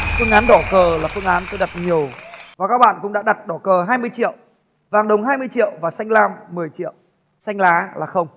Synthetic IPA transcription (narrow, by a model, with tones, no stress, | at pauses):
fɨ˧əŋʔaː˨˦nɗɔ˧˩kəː˨˩laː˨˩fɨ˧əŋʔaː˨˦nt̪o˧jɗa˨˩t̚ɲi˨˩əwvaː˨˩kaː˨˦˥k̚ɓa̰ː˧˨nkʊ̰˧˥ŋ͡mɗaː˧˥ɗa˨˩t̚ɗɔ˧˩kəː˨˩ɦaː˧jmɨ˧əjt͡ɕḭ˧˨ə˨w | vaː˨˩ŋɗə˨˩wŋ͡mɦaː˧jmɨ˧əjt͡ɕḭ˧˨ə˨wvaː˨˩sa˧jŋ̟laː˧mːɨ˨˩əjt͡ɕḭ˧˨ə̰˨w | sa˧jŋ̟laː˨˦laː˨˩xə˧wŋ͡m